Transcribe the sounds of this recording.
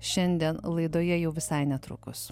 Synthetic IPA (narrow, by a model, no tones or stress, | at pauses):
ʃʲɛnʲd̪ʲiɛnlˠɐɪd̪oːjɛjɛʊʋʲɪsɐɪnʲɛt̪ɾʊ̰ːkʊs